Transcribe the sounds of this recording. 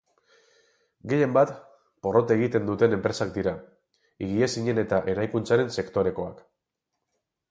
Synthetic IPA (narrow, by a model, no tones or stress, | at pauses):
ɡe̞je̞mbat̪ | po̞ro̞t̪eɣ̞it̪e̞nd̪ut̪e̞ne̞mpɾe̞sak̚d̪iɾa | iɣiesiɲe̞ne̞t̪aʔe̞ɾajkunt͡saɾe̞nse̞kt̪o̞ɾe̞ko̞a̰k